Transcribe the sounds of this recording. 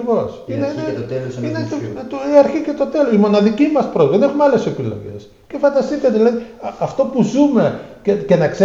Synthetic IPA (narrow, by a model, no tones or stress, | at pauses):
ivos | inelinet̪iɐɾçicet̪o̞t̪e̞losimo̞nɐðicimɐspɾo̞zðenexumeɐle̞se̞pilo̞̰ʝḛs | ce̞fɐnd̪ɐst̪it̪ɐðilɐðiɐft̪o̞puzume̞cece̞nɐkse